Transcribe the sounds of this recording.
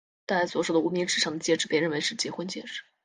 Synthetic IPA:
t̪a˥˧la˧˥ɪswɔ˧˥ʂo˧˩ʊd̪ə˨u˧˥mi˧˥ŋʈ͡ʂɻ̩˥˩ʈ͡ʂʰɑ˧˥ŋd̪ə˧t͡ɕjɛ˥˩ʈ͡ʂɻ̩˧˩pjɻə˥˩nwe˧˥ɪʂɻ̩˥˩t͡ɕjɛ˧˥xwə˥nt͡ɕjɛ˥˧ʈ͡ʂɻ̩˥˧˩

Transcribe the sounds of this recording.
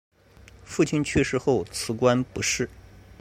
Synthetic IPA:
fu˥˩t͡ɕʰi˥nt͡ɕʰɛ˥˧ʂɻ̩˥˧xo˥˩ʊt͡sʰɹ̩˧˥kwa˥npu˧˥ʂɻ̩˥˩

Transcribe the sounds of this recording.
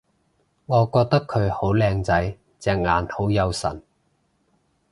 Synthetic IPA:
ŋɔː˨˧kɔː˧k̚t̪ɐ˥kʰːɵ˨˧ɥho˨˥wlɛː˧ŋt͡sɐ˨˥j | t͡sɛː˨˧k̚ŋa̰ː˨˩nho˨˥wjɐ˨˧wsɐ̰˨˩n

